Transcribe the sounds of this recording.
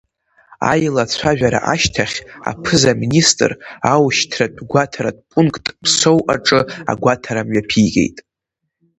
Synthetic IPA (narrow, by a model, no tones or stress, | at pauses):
a̰jlat͡sʷʰaʒᶣaɾa̰ʔaʃtʰaχʲa̰pʰɨzaministʼɨrawʃtʰradʷʼɡʷatʰaɾad̚ʼpʼuŋkʼtʼpʰsowʔaʈ͡ʂʼɨa̰ɡʷatʰaɾamɥapʰijɡʲe̞̰jtʼ